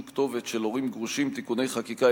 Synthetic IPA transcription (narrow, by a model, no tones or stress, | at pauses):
kt̪o̞vet̪ʃelo̞ʁimɡʁuʃimt̪ikune̞jχakika